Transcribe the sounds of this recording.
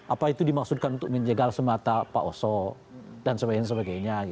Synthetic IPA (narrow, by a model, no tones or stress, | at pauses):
ʔapait̪udimak̚sud̚kanunt̪ʊk̚məɲd͡ʒəɡalsəmat̪apa̰ʔosɔ | dansəbaɡɲas̬əbaɡajɲaɡi